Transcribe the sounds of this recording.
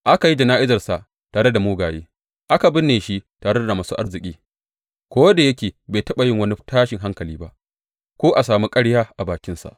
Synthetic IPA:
ʔa˦ka˨ji˦d͡ʒɐ˨naː˦ʔɪ˦zɐ˨rsa˨ʔ | taː˨ɽe˦da˨muː˦ɡaː˨jeː˦ | ʔa˦ka˨bɪ˦nːeː˨ʃi˦taː˨ɽe˦da˨maː˦suː˦ʔa˦rzɪ˨kʲʼiː˦ | kʷoː˦wda˨jɐ˦kʲeː˨beː˨tɐ˦ɓa˨jɪ˦ŋwɐ˦ni˦taː˦ʃɪ˨ŋɦa˦ŋkɐ˨liː˦ba˦ʔ | kʷoː˦ʔa˨saː˨mu˦kʼɐ˦ɽjaː˦ʔa˨baː˨kʲɪ˦nsa̰˨ʔ

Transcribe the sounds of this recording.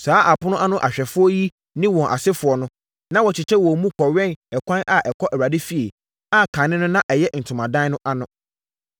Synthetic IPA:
saː˨˦ʔa˨pʰʊ˦nʊ̃˦ʔa˦nʊ̃˦ʔa̰˨ɕᶣɛ˨fʊ˦ɔ˦ji˦ | nɪ̃˦wɔ̃˨ʔa̰˨sɪ˦fʊ˨ɔ˨nʊ̃˦ | nã˦wɔ˨t͡ɕʰɪ˨t͡ɕʰɛ˦wɔ˨mũ˦kʰɔ˨ɥɛ̃˦˨nɛ˨kʰʷã˦nʔa˨ʔɛ˨kʰɔ˦ʔɛ˨wa˨dɪ˦fi˨e˨ | a˦kʰã˨nɪ̃˦nʊ̃˦nã˦ʔɛ˨jɛ˦n̩˨tʰʊ̃˨mã˨dã˦n˦nʊ̃˦ʔa˦nʊ̃˦

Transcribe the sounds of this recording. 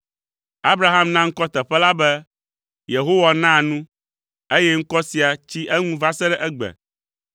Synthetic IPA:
a˦bɾa˦ɦã˦mnã˦ŋ̩˦kɔ˦t̪ɛ˨ɸɛ˦la˦bɛ˦ | je˨ɦo˦wa˨nã˦˨nũ˦ | e˦jɛ˦ŋ̩˦kɔ˦si˨a˨t͡ɕi˦ʔɛ˦ŋũ˦va˦sɛ˦ɖɛ˦ʔɛ˦ɡ͡bɛ̰˨

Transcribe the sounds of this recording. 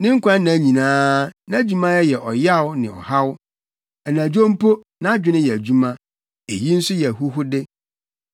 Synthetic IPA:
nɪ̃˦ŋ̩˦kʷʰã˦nã˨˦ɲĩ˨nãː˦nã˦d͡ʑu˦mã˦jɛ˦jɛ˨ʔɔ˨ja˦˨wnɪ̃˨ɔ̰˨ha˦w | ɛ˨nã˨d͡ʑᶣõ˦m˦pʰo˦ | nã˦a˦d͡ʑᶣɪ˦nɪ̃˦jɛ˨æ˨d͡ʑu˦mã˦ | e˨ji˦n̩˦sʊ˦jɛ˨ɦu˦ɦʊ˦dɪ˦

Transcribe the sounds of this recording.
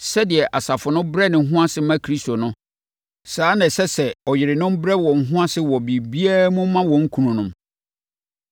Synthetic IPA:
sɛ˦dɪ˨ɛ˨ʔa˨sa˨fʊ˨nʊ̃˦bɾɛ˦nɪ̃˨˦ɦʊ̃˦a˦sɪ˦mã˦kʰɾi˦sto˨nʊ̃˦ | saː˨˦nã˨sɛ˦sɛ˨ɔ˨jɪ˨ɾɪ˨nʊ̃˦m˦bɾɛ˦wɔ̃˨ŋ̩˨ɦʊ̃˦a˦sɪ˦wɔ˨bi˨bi˦a˦mʊ̃˦mã˦wɔ̃˨ŋ̩˦kʰũ˨nʊ̃˨nʊ̃˦m

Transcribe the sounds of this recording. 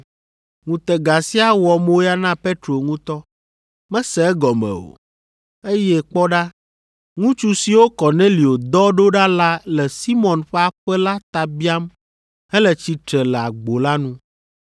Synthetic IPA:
ŋũ˨t̪ɛ˨ɡa˨si˦a˦wɔ˨mo˦ja˦nã˦pe˦t̪ɾo˨ŋũ˦t̪ɔ˦ | mɛ̃˦sɛ˨ɛ˦ɡɔ˨mɛ̰̃˨o̰˨ | e˦jɛ˦k͡pɔ˦ɖa˦ | ŋũ˦t͡ʃu˦si˨wo˦kɔ˨nẽ˦li˨o˨d̪ɔ˦ɖo˦ɖa˦la˦lɛ˨si˦mɔ̃˨nɸɛ˦a˦ɸɛ˦la˦t̪a˨bi˦a˦m | ɛ˦lɛ˨t͡ɕi˨t̪ɾɛ˨lɛ˨a˨ɡ͡bo˨la˦nũ˦

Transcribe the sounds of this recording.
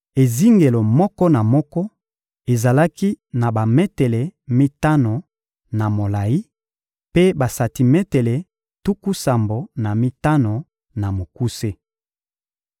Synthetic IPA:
e˨zi˦ŋɡe˨lo˨mɔ˦kɔ˦na˨mɔ˦kɔ˦ | e˨za˨la˦ki˦na˨ba˨me˦te˨le˨mi˦ta˦no˨ | na˨mo˨la˨ji˦ | pe˦ba˨sa˨ti˨mɛ˦te˨le˨ | tu˦ku˦sa˨mbo˨na˨mi˦ta˦no˨ | na˨mo˨ku˦se˦

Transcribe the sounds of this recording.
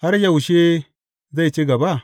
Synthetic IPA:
ha˦ɾja˨wu˨ʃe˦ | za˦˨jt͡ʃe˦ɡa˨ba˦˨

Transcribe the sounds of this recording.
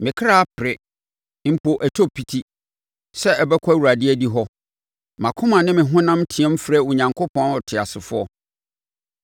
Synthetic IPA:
mɪ̃˨kʰɾa˦a˦pʰɪ˨ɾɪ˨ | m̩˨pʰo˨ʔæ˨tʰo˦pʰi˨tʰi˦ | sɛ˦ʔɛ˨bɛ˦kʷʰwu˨ɾa˨dɪ˦ɛ˦˨di˦ɦɔ˦ | mã˨kʰʊ̃˦mã˨nɪ̃˦mɪ̃˨ɦʊ̃˦nã˦mtʰi˨ɛ̃˦m̩˦fɾɛ˦wʊ˨ɲã˨ŋkʰʊ˦pʰɔ̃˦nɔ˨tʰɪ˨a˨sɪ˨fʊ˦ɔ˦

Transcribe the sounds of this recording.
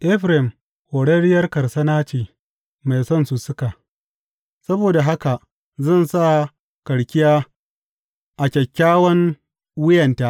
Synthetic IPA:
ʔɛ˦ɸɾɪ˨m | hoː˨ɽɐ˦ɽɪ˦jɐ˦rkɐ˨rsɐ˦naː˦t͡ʃeː˨ | ma˨jsɐ˦˨nsu˨sʊ˦ka˨ | sɐ˦boː˨da˨ɦa˦ka˨ʔ | zɐ˦˨nsa˦˨ | kɐ˨ɽkʲɪ˦jaː˦ | ʔa˨kʲɛ˨kʲːaː˦wɐ˦ŋ | wʊ˦jɐ˨ntaː˦ʔ

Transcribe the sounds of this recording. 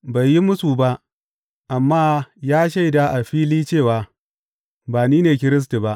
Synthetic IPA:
ba˨jːi˦mʊ˦suː˨ba˦ʔ | ʔa˨mːaː˦jaː˦ʃ̬a˦jdaː˦ʔa˨ɸiː˦liː˦t͡ʃeː˦˨waː˨ | baː˨niː˦neː˨k̬ʲɪ˦ɾɪ˦s̬ti˨ba˦ʔ

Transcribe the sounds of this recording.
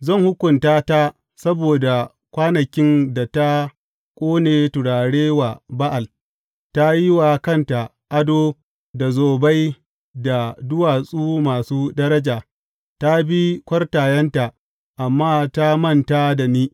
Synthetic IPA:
zɐ˦˨ŋhʊ˦kʷʊ˨ntaː˦ta˦ | sɐ˦boː˨da˨ | kʷaː˦nɐ˨kʲɪ˦nda˨ta˦ | kʷʼoː˦neː˨tʊ˨ɽaː˨ɽeː˦wa˨ba˦ʔa˨l | ta˦ji˦wa˨kɐ˦˨nta˨ | ʔa˦doː˦ | da˨zoː˨ba˦j | da˨dʊ˦waː˨sʼuː˦maː˨suː˦dɐ˦ɾɐ˦d͡ʒaː˨ | ta˦bi˦kʷɐ˦rtaː˨jɛ˦nta˨ | ʔa˨mːaː˦ta˦mɐ˦˨nta˦da˨niː˦

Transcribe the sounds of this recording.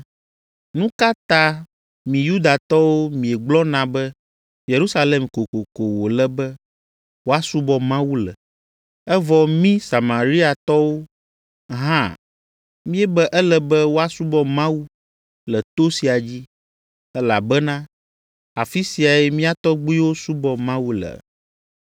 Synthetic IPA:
nũ˦ka˦t̪ã˦ | mĩ˨ju˦d̪a˨t̪ɔ˦wo˦mĩ˨ɛ˨ɡ͡blɔ˦nã˨bɛ˦ | je˨ɾu˦sa˦le˨mko˨ko˨ko˨wo˨lɛ˦bɛ˦ | wo˦a˦su˦bɔ˦mã˦wu˦lɛ̰˨ | ɛ˦vɔ˨mĩ˦sa˨mã˨ɾi˦a˨t̪ɔ˦wo˦ | ɦã˦˨ | mĩ˦ɛ˦bɛ˦ʔɛ˦lɛ˨bɛ˦wo˦a˦su˦bɔ˦mã˦wu˦ | lɛ˨t̪o˦si˨a˨d͡ʑi˦ | ɛ˦la˨bɛ˦nã˦ | a˨fi˦si˨a˨ɛ˦mĩ˦a˦t̪ɔ˦ɡ͡bi˦wo˦su˦bɔ˦mã˦wu˦lɛ̰˨

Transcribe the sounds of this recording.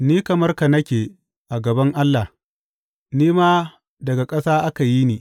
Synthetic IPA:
niː˦kɐ˨mɐ˦rka˨nɐ˦kʲeː˨ | ʔa˨ɡɐ˨bɐ˦ŋʔa˦lːa˨ | niː˦maː˦ | dɐ˨ɡa˨kʼɐ˦saː˦ʔa˦ka˨ji˦niː˨

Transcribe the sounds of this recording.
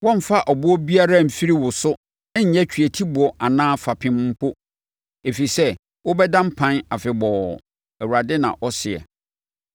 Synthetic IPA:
wɔ̃˦m̩˨fa˦ʔɔ˨bʊ˦ɔ˦bi˦a˦ɾa˦m̩˨fi˦ɾi˦wʊ˨sʊ˦ | ɪ̃˦ɲ̩˨ɲɛ̃˦t͡ɕʰᶣɥɛ˨tʰi˦bʊ˨ɔ˨ʔa˨nãː˦fa˨pʰɪ̃˦mm̩˦pʰo˦ | e˨fi˨sɛ˦ | wʊ˦bɛ˦dã˦m̩˦pʰã˦na˨fɪ˨bɔ˨ | ɛ˨wu˨ɾa˨dɪ˦nã̰˨ʔɔ˦sɪ˨ɛ̰˨

